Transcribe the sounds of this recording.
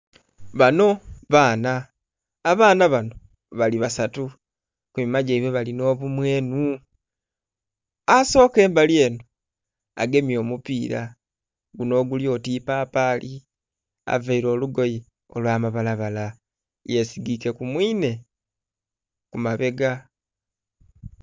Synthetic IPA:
βano̞βaːnaː | βaːnaβano̞ | βaliβasatu | kumimaɟeiβweβalino̞ːβumwe̞ːnu | aso̞ːke̞ːmbalje̞ːno | a̰ɡe̞mjo̞ːmupiːɾa̰ | ɡuno̞ːɡuljo̞ːtiːpaːpaːlʔi | a̰veiɾo̞ːluɡo̞ji | o̞̰lwaːmaβalaβala | je̞siɡike̞kumwiːne̞ | kumaβe̞ɡa

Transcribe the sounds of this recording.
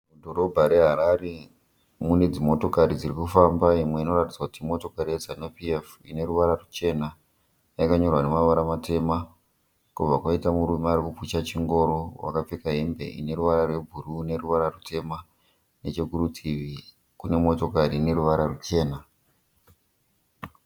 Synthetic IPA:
udo̞ɾo̞bʱaɾe̞ɦaɾaɾe | mune̞d͡zimo̞to̞kaɾid͡zirikufambaimwe̞ino̞ratid͡zakutimo̞to̞kaɾijezanupief | ine̞ɾuʋaɾarut͡ʃe̞na | jakaɲo̞rwane̞maʋaɾamate̞ma | kub͡vakwaitamuɾumeaɾikuput͡ʃat͡ʃiŋɡo̞ɾowa̰kap͡fekaɦembe̞̰ʔḭne̞ɾuʋaɾarwe̞bʱuɾune̞ruʋaɾarute̞ma | net͡ʃeɡʱuɾutʰiʋi | kune̞mo̞to̞kariːne̞ɾuʋaɾarut͡ʃe̞ːna

